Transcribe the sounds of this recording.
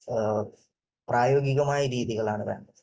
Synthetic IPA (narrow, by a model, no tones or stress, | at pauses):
praːjo̞ːɡiɣɐmaːjɐɾiːðiɣɐɭaːɳɨʋeːɳɖɐðɨ